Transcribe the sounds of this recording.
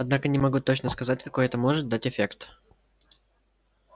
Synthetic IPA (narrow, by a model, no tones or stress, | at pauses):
ɐd̪nakənʲɪmɐɡut̪ːot͡ɕnəskɐzatʲkɐko̞jɛt̪əmo̞ʐɨt̪̚d̪atʲɪfʲekt̪